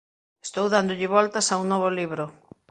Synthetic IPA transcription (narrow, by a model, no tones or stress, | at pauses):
est̪owðand̪ʊʎɪβɔlt̪ɐsauŋnɔβ̞oliβɾʊ